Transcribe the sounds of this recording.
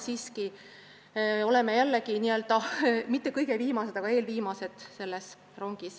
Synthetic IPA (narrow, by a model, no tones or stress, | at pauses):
siːski | o̞lemejælːekiniø̞lt̪ɑmit̪ːˑe̞kɤjɡ̥eviːmɑse̞d̪̥ɑɡɑeːlviːmɑse̞d̪̥se̞lːes | ro̞ŋɡ̥is